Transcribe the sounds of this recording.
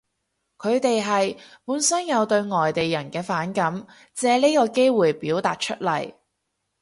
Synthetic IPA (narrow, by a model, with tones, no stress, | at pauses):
kʰɵ˨˧ɥt̪e˨jɦɐ˨jpuː˨˥nsɐ˥njɐ˨˧wt̪ɵ˧ɥŋɔː˨jt̪e˨jːɐ˨˩nkɛː˧faː˨˥nkɐ˨˥m | t͡sɛː˨˧le˥kɔː˧ke˥jwuː˨˧jpiː˨˥wt̪aː˨t̚t͡ʃʰɵ˥t̚lɐ̰˨˩j